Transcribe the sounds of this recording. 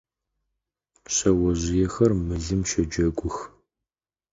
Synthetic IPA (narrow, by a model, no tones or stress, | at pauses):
ɕɐwɔʑɪjɛxɐrmɨɮɨmʃɐd͡ʒɐɡʷʊx